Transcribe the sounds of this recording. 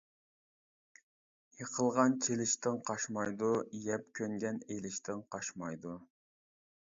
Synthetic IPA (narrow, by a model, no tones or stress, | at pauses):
jeqʰəlˠʁɑnt͡ʃʰelɪʃt̪ɪŋqʰɑʃmɑjd̪ujɛpkʲʰøŋɡʲɛnejlɪʃt̪ɪŋqʰɑʃmɑjd̪u